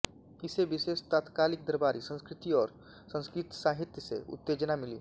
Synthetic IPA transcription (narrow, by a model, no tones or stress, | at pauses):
ɪseʋɪʃeːʃt̪aːt̪kaːlɪk̚d̪əɾbaːɾisə̃nskɾɪt̪iɔːɾ | sə̃nskɾɪt̪saːɦɪt̪jəsḛʊ̰t̪ːeːd͡ʒənamɪlḭː